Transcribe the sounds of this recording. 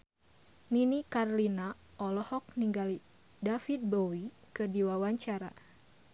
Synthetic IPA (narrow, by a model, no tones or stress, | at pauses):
ninikarlina | ɔlɔhɔk̚niŋɡali | dafit̪̚bowi | kədiwawaɲt͡ʃaɾa̰